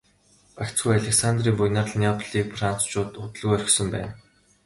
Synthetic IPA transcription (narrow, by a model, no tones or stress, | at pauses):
pakt͡sɡujaɮʲeksant̪riːŋpujnaːrɮnʲapʰɮiːk̚fran̥t͡st͡ɕʊːt̪ʊt̪ə̆ɮɣuːœɾʲɪ̆xsɵ̆mpæ̰ːn